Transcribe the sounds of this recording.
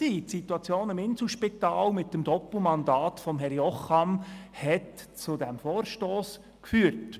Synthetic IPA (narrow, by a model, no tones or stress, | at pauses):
iːtsituɑt͡sjoːnɪmɪnslʃpitɑːlmɪtːəmd̥ɔpl̩mɑndɑːtfɔmɦɛɾjɔχɑmhɛtt͡sʊdɛmfoːɾʃtoːs | kfyːɾt